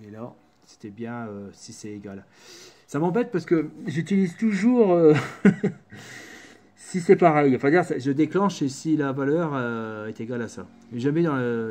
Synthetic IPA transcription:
elɔʁ | se̥t̪ɛbjɛ̃øsisɛeɡal | samɑ̃bɛt̪̚paʁsə̥kəʒyt̪ilizt̪uʒuːʁø | sisɛpaʁɛjɑ̃fɛ̃d̪iʁsaʒəd̪eklɑ̃ʃəsilavalœʁəɛt̪eɡalasa | ʒamɛd̪ɑ̃lə

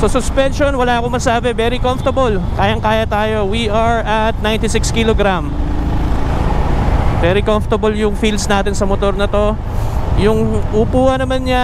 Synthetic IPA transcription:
sosʊspɛnʃonwɐlaɐkomɐɡsaːbɛvɛːɾikomft̪ɐbol | kaːjɐŋkaːjɐt̪aːjo̞wiʔɐɹʔɐt̪̚najnt̪ɪsɪkskiloɡɾam | vɛɾikomft̪ɐboljʊŋfilsnaːt̪ɪnsɐmot̪o̞ɾnɐt̪o̞ | jʊŋʔʊpuːhɐnɐmanɲɐ

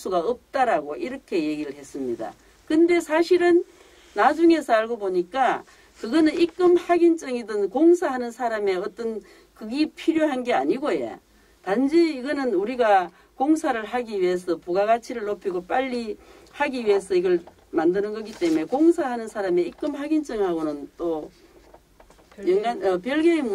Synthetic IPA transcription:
s͈uɡaʌp̚t͈aɾaɡoʔiɾʌkʰe̞je̞ɡiɾɯɭhe̞s͈ɯmɲida̰ | kɯnde̞sʰaɕʰiɾɯnː | ad͡ʑuŋe̞sʰʌaɭɡoboɲik͈a | kɯɡʌnɯnik͈ɯmhaɡint͡ɕ͈ʌŋidɯnkoŋsʰaɦanɯnsʰaɾame̞ʌt͈ʌn | kɯɡipʰiɾjoɦanɡe̞a̰ɲiɡojḛ | tand͡ʑiiɡʌnɯnuɾiɡa | koŋsʰaɾɯɭɦaɡiɥie̞s̬ʰʌpuɡaɣat͡ɕʰiɾɯɭːopʰiɡop͈aʎːi | haɡiɥie̞sʰʌiɡʌɭ | mandɯnɯnɡʌɡit͈e̞mume̞koŋsʰaɦanɯnsʰaɾame̞ik͈ɯmɦaɡint͡ɕ͈ɯŋhaɡonɯnt͈o | jeŋɡanʌpjʌɭɡem

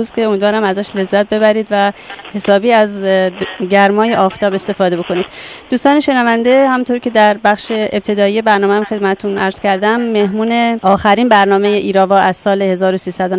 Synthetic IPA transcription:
uzkʰe̞omiːd̪vɒːɾæmæzæʃle̞zːæt̪̚be̞βæɾiːd̪væhe̞sɒːbiːæz | ɟæɾmɒːjeʔɒːft̪ʰɒːbe̞st̪e̞fɒːd̪e̞bo̞kʰo̞niːd̪̥d̪uːst̪ɒːne̞ʃe̞nævænd̪e̞hæmunt̪ʰoɾcʰe̞d̪æɾbæχʃe̞ep̚t̪ʰe̞d̪ɒːijebæɾnɒːmeæmxe̞d̪̚mæt̪et̪ʰunʔæ̰ɾz̥cʰæɾd̪æmːe̞hmuːne̞ʔɒːxæɾiːnbæɾnɒːme̞jeʔiːɾɒːvɒːʔæz̥sɒːlehe̞zɒːɾosiːsæd̪on

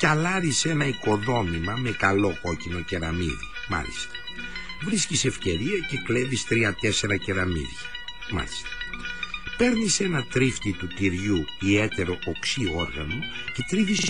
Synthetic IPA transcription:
cɐlɐɾise̞nɐiko̞ðo̞mimɐme̞kɐlo̞ko̞cino̞ceɾɐmḭðḭ | mɐ̰lḭst̪ɐ̥ | vɾiscise̞fce̞ɾiɐce̞kle̞vist̪ɾiɐt̪e̞se̞ɾɐceɾɐmḭðʝɐ | mɐ̰list̪ɐ̥ | pe̞ɾnise̞nɐt̪ɾift̪it̪ut̪iɾʝuie̞t̪e̞ɾo̞ʔoksio̞ɾɣɐno̞ | ce̞t̪ɾiʝis

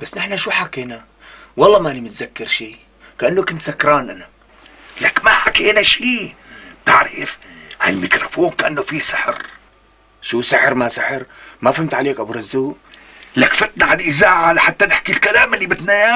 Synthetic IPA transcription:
b̥asːnɪħnaʃuːħakeːna | wɑlˤːɑːmaʔnimɪt̪zakːɪɾʃiː | kaʔanːokʊnt̪sakːɾˤɑːnʔana | lakmaħakeːnaʃiːb̚t̪ɪʕɾɪfhalmɪkɾofoːnkaʔanːofisɪħɾ | ʃuːsɪħɾmasɪħɪɾmafhɪmt̪ʕaleːkʔabɾɪzːuːʔ | lakfɪt̪naʕanʔɪzaːʕalaħat̪ːanɪħkilkalaːmɪlːibɪt̪naja

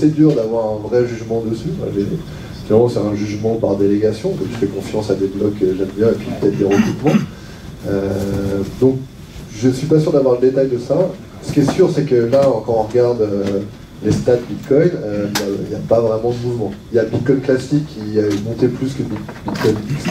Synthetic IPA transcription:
asɛd̪yʁd̪avwaʁɛ̃vʁɛʒyʒmɑ̃d̪əsyfa̰ʒe | finalmɑ̃sɛɛ̃ʒyʒmɑ̃paʁd̪eleɡʲasjɔ̃kɔ̃t̪ə̥fɛkɔ̃fjɑ̃sad̪eblɔkkːəʒɛmbjɛ̃epɥipə̥t̪ɛt̪̚d̪eʁəkypmɑ̃ | ø | d̪ɔ̃k̚ | ʒəsɥipasyʁd̪avwaʁləd̪et̪ajd̪əsa | sə̥kʲiɛsyʁsɛkəlaɔ̃kɑ̃ɔ̃ʁɡaʁd̪ø | lest̪at̪̚bit̪kɔjnøiljaḭljapavʁɛmɑ̃d̪əmuvmɑ̃iljabit̪̚kɔjnklasikʰːiamɔ̃t̪eplyskəbi | bit̪kɔjnbis

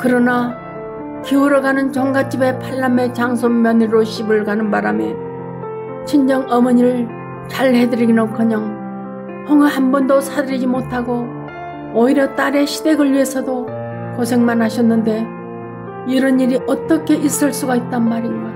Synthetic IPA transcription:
kɯɾʌna | kiuɾʌɡanɯnt͡ɕʌŋɡat͡ɕ͈ibe̞pʰaɭːame̞t͡ɕaŋsʰommːjʌniɾoɕʰibɯɭkanɯnbaɾame | t͡ɕʰind͡ʑʌŋʌmʌɲiɾɯɭ | t͡ɕaɭhe̞dɯɾiɡinʌkʰʌɲʌŋ | hʰʌŋɯɦambʌndosʰadɯɾid͡ʑimotʰaɡoː | iɾjʌt͈aɾe̞ɕʰide̞ɡɯɭːie̞sʰʌdo | kosʰe̞ŋmanɦaɕʰʌnːɯnde̞ | iɾʌniɾiʔʌt͈ʌkʰe̞ʔis͈ɯɭs͈uɡait̚t͈anmaɾinɡa

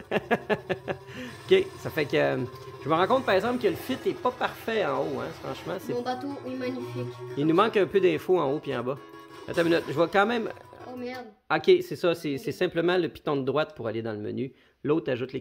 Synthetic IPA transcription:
ɔkʲesafɛkə | ʒ̥əməʁɑ̃kɔ̃t̪̚paʁɛɡzɑ̃pkələfɪt̪ɛpɔpaʁfɛɑ̃oɛ̰̃fʁɑ̃ʃmãsẽbat̪omɛ̃nfilnumɑ̃kːpød̪ɛ̃foɑ̃opiɑ̰̃bʌ | a̰t̪ɛ̃mnɔt̪ʒəvwakɑ̃ːmɛ̃mmɛ | ɔkʲesɛsʌsɛsɛsɛ̃pləmɑ̃ləpi̥t̪ɔ̃d̪əd̪ʁwat̪̚puʁaled̪ɑ̃ləmə̰ny | lot̪aʒʊt̪le

